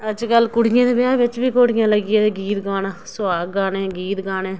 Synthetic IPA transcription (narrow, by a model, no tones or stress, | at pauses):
əd͡ʒkəlkʊɽɪjãːd̪eːbɪaːʋɪt͡ʃbiːkoːɽɪjãːləɡɪjeːeɡiːt̪ɡaːnaːsʊaːɡaːnẽːɡiːt̪ɡaːnẽː